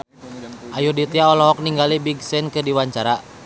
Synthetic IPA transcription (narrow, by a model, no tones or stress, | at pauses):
ʔajudit̪iaɔlɔɦɔk̚niŋɡalibiɡsɛnkɨrdiwaɲt͡ʃaɾa